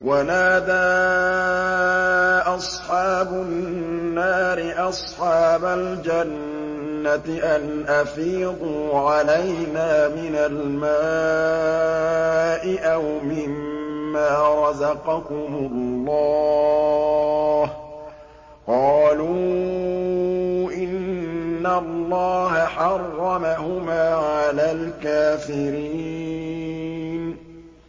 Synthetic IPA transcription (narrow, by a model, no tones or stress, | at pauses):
wanaːd̪aː | ʔɑsˤħɑːbʊnːaːɾɪʔɑsˤħɑːbald͡ʒanː | at̪ɪʔanʔafiːd̪ˤuːʕalajnaːmɪnalmaː | ʔɪʔawmɪmːaːɾˤɑzɑqɑkʊmʊllːɑː | h | qɑːluː | ʔɪnnːalˤːɑːɦaħɑrːɑmahʊmaːʕʕalaːlkaːfɪɾi | n